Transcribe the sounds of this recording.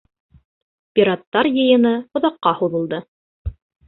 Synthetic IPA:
pʲiɾat̪ːɑɾjɤ̆jɤ̆nɤŏðɑqːɑhuðɤ̆lˠd̪ɤ

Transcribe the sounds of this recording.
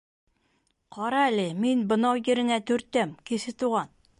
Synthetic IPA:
qʰɑɾɑælɘminbɤ̆nɑwjɘ̆ɾɘ̆næt̪ɵ̆ɾt̪ːæmkisɘt̪uʁɑn

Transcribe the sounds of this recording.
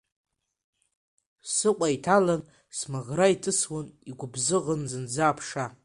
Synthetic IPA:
sɨqʷʼaitʰalan | smaʁraitʼɨswʊniɡʷʊbzɨʁənzɨnd͡zaːpʰʂa

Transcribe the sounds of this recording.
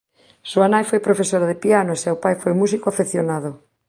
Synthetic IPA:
soanajfojpɾofesoɾaðepianoesewpajfojmusikoafeθjonaðo

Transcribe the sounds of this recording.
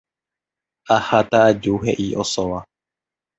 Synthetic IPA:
ahat̪aad͡ʒuɦe̞ʔiʔosoʋa

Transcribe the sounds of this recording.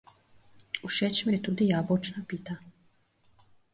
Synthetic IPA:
uʃɛt͡ɕmɛt̪ud̪ijabot͡ʃnapit̪a

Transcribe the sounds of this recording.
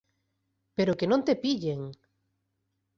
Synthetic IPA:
peɾokenõnt̪epiʎeŋ

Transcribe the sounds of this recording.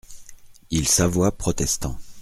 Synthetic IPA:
ilsavwapχɔt̪ɛst̪ɑ̃

